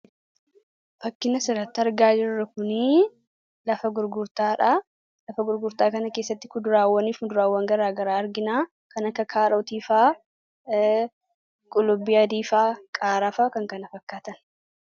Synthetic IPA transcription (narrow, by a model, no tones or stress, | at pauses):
fɐkːɪnɐsɪɾɐt̪ːɪɐɾɡaːd͡ʒɪɾrːɐkʊni | lɐfɐɡʊɾɡʊɾt̪aːᶑɐ | lɐfɐɡʊɾɡʊɾt̪aːkɐnɐke̞ːsːɐt̪ːɪkʊd̪ʊɾaːwːɐniːfʊnd̪ʊɾaːwːɐŋɡɐɾaːɡɐɾaːɐɾɡɪnaː | kɐnɐkːɐkʰaːɾɐt̪iːfaː | kʼʊlʊbɪjad̪iːfaːkʼaːɾaːfaːkɐŋkɐnɐfɐkːaːt̪ɐn